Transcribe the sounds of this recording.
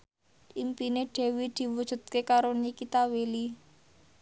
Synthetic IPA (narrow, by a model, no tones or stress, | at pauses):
ʔimpineɖ̥e̤wid̪̥i̤wud̥ʒ̥ṳt̪̚kekaɾonikit̪aweli